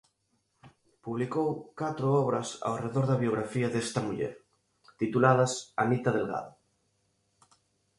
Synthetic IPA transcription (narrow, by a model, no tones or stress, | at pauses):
puβlikowkat̪ɾoɔβɾasa̰wreðoɾðaβjoɣ̞ɾafiaðest̪amuʎḛɾ | t̪it̪ulað̞asamit̪að̞elɣa̰ðo